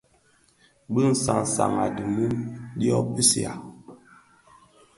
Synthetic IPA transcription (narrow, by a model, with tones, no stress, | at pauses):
bə˦n̩˨sa̰˨ŋ˨sa̰˨ma˨di˨mə˦ɗi˦ɔ˦pi˦si˨a̰˨